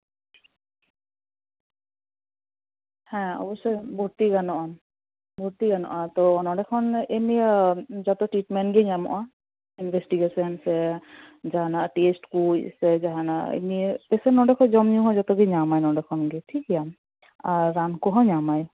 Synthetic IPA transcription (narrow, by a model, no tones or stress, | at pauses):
hɛ̃ɔ̰bɔsːɔjbʱuɾt̪iɡanɔʔan | bʱuɾt̪iɡanɔ̰ʔat̪ɔɔnɔɖɛkʰɔnemid͡ʒɔt̪ɔʈiʈmɛɳʈɡeɲamɔ̰ʔa | inbʱesʈiɡesɔnsɛ | d͡ʒaɦanaʔʈesʈkusɛd͡ʒaɦana̰ʔḛmip̪esɛnɔɖɛkʰɔd͡ʒɔmɲũɦɔd͡ʒɔt̪ɔɡeɲamajnɔɖɛkʰɔnɡeʈʰikjam | aːankɔɦɔ̃ɲamaj